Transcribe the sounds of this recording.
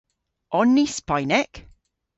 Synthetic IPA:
ʔɔnːispaɪnɛk

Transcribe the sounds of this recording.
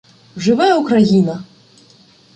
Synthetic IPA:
ʐɨvajɛwkraɣinɐ

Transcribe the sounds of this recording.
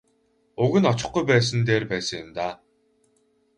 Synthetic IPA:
ʊɣɘ̆nɔt͡ɕɪ̆χɡujpæːs̬ə̆nt̪eːrpæːsə̆ŋjɪ̆mt̪aː

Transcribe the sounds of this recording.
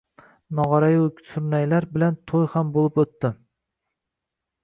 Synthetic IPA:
nɑʁɑɾɑjʲsʊɾnæjlæɾbɪlɛnt̪ʰojχambolˠɨpɵt̪ːɪ

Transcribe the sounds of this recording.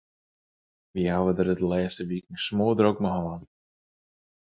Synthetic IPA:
vihawəd̪əɾətlɛːstəvikŋsmoːd̪ɾɔkməɦɔːən

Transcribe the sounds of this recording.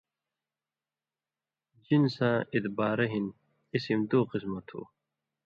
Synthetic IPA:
d͡ʑinsãːit̪baːɾɐɦin | isimd̪oːqismɐt̪ʰṵː

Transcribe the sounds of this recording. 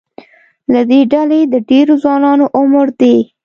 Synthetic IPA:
lad̪eɖaled̪əɖeɾozwɑnɑnoʔʊməɾd̪e

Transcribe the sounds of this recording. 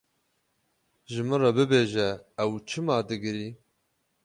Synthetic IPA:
ʒɨmɨrɑbɨbeːʒɛːwt͡ʃʰɨmɑːd̪ɨɡɨɾiː

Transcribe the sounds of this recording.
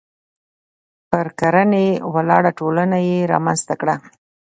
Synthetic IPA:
pəɾkaɾanewalɑɽaʈolanajeɾɑ̰manzt̪akɽa

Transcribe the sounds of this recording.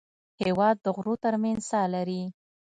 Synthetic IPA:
hewɑd̪̚ːəɣɾot̪əɾmanz̥sɑlaɾi

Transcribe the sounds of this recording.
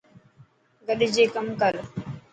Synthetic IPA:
ɡəɗɪd͡ʒeːkəmkəl

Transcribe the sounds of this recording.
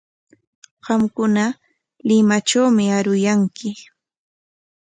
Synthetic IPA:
ɢɑmkʊna | lɪmat͡ʃawmɪaɾʊjaŋkɪ

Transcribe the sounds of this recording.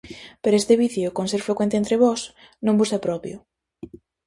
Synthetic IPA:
peɾoest̪eβiθjʊkonseɾfɾekwent̪ent̪ɾeβɔs | nõmbusapɾɔβjo

